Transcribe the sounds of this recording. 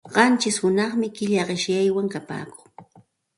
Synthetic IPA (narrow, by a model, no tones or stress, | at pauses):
ɢɑnt͡ʃɪshʊnɑχmɪkɪʎɑɢɪʃjajwaŋkapa̰ːkʊː